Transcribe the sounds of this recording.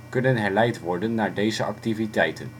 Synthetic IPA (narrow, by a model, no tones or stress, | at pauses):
kɵnənɦɛɹlɛjtʋɔɹdənːaːɹdejzəʔɑktivitɛjtə̰n